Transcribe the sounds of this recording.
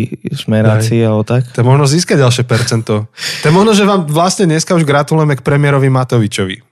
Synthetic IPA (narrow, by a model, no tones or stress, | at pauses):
zmɛɾat͡siiːalbɔt̪akt̪ɔjɛmɔʒnɔziːskaɟɟalʃɛpɛɾt͡sɛnt̪ɔt̪ɔjɛmɔʒnɔʒɛʋaːmʋlasɲɛɲɛskauʒɡɾat̪ulujɛmɛk̚pɾɛmɪɛɾɔʋimat̪ɔʋit͡ʃɔʋḭ